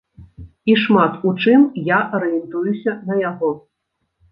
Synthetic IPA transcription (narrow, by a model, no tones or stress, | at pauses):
iʂmat̪ut͡ʂɨmjaʔɐɾɨjɛnt̪ujusʲɐnɐjaɣɔ